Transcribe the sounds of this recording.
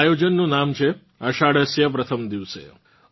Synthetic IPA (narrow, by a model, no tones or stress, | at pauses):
jod͡ʒənːũnamt͡ʃʰe | əʃaɽəsjəpɾət̪ʰəmd̪iʋsḛ